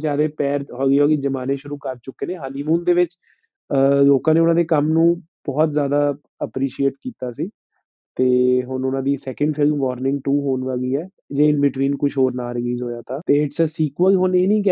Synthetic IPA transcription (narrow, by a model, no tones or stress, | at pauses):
d͡ʒaːd̪eːpɛːɾɦoːɡiːɦoːɡid͡ʒəmaːneːʃʊɾuːkəɾt͡ʃʊkeːnẽːɦaːniːmũːnd̪eːʋɪt͡ʃ | loːkãːneːʊnãːd̪eːkəmnũː | b̥ɔːt̪zjaːd̪aː | əpɾiːʃieːʈkiːt̪aːsiː | t̪eːɦʊnʊnãːd̪iːsɛːkəɳɖpʰɪlmʋɔːɾnɪ̃ŋɡʈuːɦoːnʋəːɡiːɛː | d͡ʒeːɪnbɪʈʋiːnkʊʃɦoːɾnaːɾəliːzɦoːjaːt̪ʰaːt̪eːɪʈsəsiːkaːiɦʊneːnĩːk̬ɛ